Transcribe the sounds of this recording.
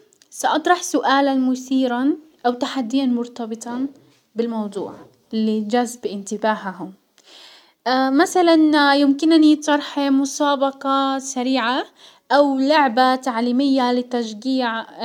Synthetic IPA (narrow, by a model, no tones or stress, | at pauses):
saʔɑt̪ˤɾˤɑħsʊʔaːlanmʊθiːɾanʔawt̪aħad̪ːɪjanmʊɾt̪ɑbɨt̪ˤɑ | bɪlmɑwd̪ˤṵːʕ | ɪlːid͡ʒazbʔɪnt̪ɪbaːhaɦʊm | masalanjɪmkɪnnit̪ˤɑɾˤħmʊsˤɑːbɑqɑsaɾiːʕa | ʔawlʊʕbat̪aʕliːmɪjːalɪt̪ːaʃɡiːʕ